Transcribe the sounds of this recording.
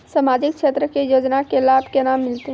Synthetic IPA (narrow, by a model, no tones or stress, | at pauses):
samaːd͡ʒɪk̚ʃʰeːt̪ɾəkejoːd͡ʒnakelaːbʱkenaːmːɪlt̪e